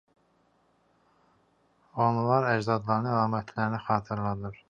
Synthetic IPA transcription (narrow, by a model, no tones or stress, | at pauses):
o̞nlˠɑɾæd͡ʒd̪ɑd̪lˠɑɾɯnɯælˠɑːmæt̪ʰlæɾinæxɑːt̪ʰɯɾlˠɑd̪ɯɾ̥